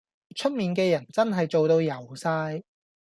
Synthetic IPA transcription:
t͡ʃʰɵ˥t̚miː˨nk̬ɛː˧jɐ˨˩nt͡sɐ˥nɦɐ˨jt͡so˨wt̪o˧wjɐ˨˩wsaː˧j

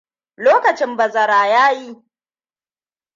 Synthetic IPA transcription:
loː˦kɐ˨t͡ʃɪ˦mbɐ˨zɐ˨ɾaː˨jaː˦ji˦

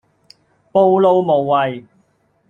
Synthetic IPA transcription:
po˥˧wlo˧wmo˨wːɐ˨j

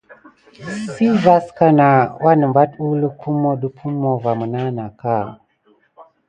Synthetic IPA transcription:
si˦va˦ska˦na˨wʔa˦nə˨mba˦tu˦lu˦kʰu˦mːo˦ɗu˦pʰu˦mːo˨va˨mə˨na˦na˨ka˦˨

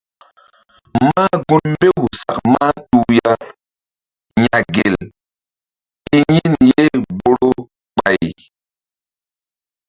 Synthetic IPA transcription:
maː˦ɡu˦nmbe˦hu˨sa̰˨kma˦tu˦˨ja˦ | ɲa˨ɡe˨l | i˦ɲi˦nje˦bo˦ɾo˦ | k͡pa˨j

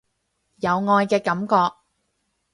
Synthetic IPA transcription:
jɐ˨˧wŋɔː˧jkɛː˧kɐ˨˥mkɔː˧k̚

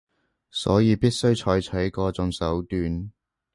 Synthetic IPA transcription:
sɔ̰ː˨˥jiː˧piː˥t̚sɵ˥ɥt͡ʃʰɔː˨˥jt͡ʃʰœ˨˥jkɔː˧t͡sʊ˧ŋsɐ˨˥wt̪yː˧n

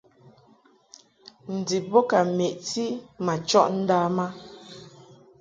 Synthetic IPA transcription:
n̩˨di˨bɔ˦ka˨me˨ʔti˦ma˨t͡ʃɔ˦ʔn̩˦daː˦ma˦

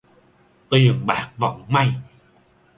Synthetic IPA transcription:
t̪i˨˩əŋɓa̰ː˨˦˥k̚va̰˧˨˦wŋ͡mma˧˩j

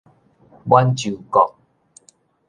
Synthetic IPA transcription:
bwa˦nt͡ɕu˨˩kɔ˨k̚

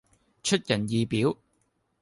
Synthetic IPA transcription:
t͡ʃʰɵ˥t̚jɐ˨˩njiː˨piː˨˥w

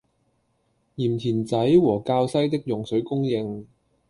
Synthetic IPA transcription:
jiː˨˩mt̪ʰiː˨˩nt͡sɐ˨˥jwɔː˨˩kaː˧wsɐ˥jt̪ɪ˥k̚jʊ˨˩ŋsɵ˨˥ɥkʊ˥ŋjɪ˧ŋ

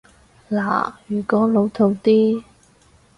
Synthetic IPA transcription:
la̰ː˨˩jyː˨˩kɔː˨˥lo˨˧˥wt̪ʰo˨˧wt̪iː˥

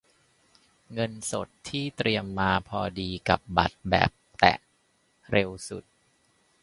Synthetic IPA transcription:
ŋɤ˧nso˨˩t̪ʰːiː˥˩t̪ɾi˧əmːaː˧pʰɔː˧diː˧ka̰˨˩p̚ba̰˨˩t̪̚bɛ̰ː˨˩p̚t̪ɛ̰˨˩ʔ | ɾʔe˧wsu˨˩t̪̚

